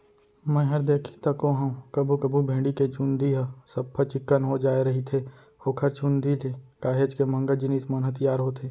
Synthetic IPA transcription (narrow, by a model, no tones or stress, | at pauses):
mɛ̃ɦɐɾd̪eːkʰi̥t̪ɐkoɦɐ̃kɐbʱukɐbʱubʱẽːɖiket͡ʃũnd̪iɦəsɐbpʰːət͡ʃɪkːənɦod͡ʒaːeɾɐɦit̪ʰe | oːkʰɐɾt͡ʃũnd̪ʱileːkaːɦeːd͡ʒkemə̃ŋɡəd͡ʒɪniːsmənɦət̪ɪjaːɾɦot̪ʰeː